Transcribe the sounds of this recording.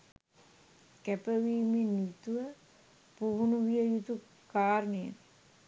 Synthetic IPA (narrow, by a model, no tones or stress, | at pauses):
kæpəʋiːmenːit̪uʋə | puʋunuʋijəjut̪u | kaːɾnejə̰